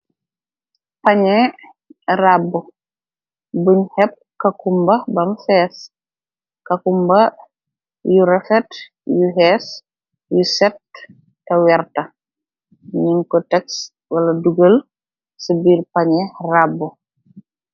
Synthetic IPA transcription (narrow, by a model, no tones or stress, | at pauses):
paɲɛ | rabːu | buɲhɛp̚kɐkumbɐbɐmfɛːs | kɐkumbɐ | juɾɛfɛt | juɦɛs | jusɛtː | ɐwɛrtɐ | ɲiŋkɔtɛks | wɐlɐduɡəl | səbiːrpɐɲɛrabːu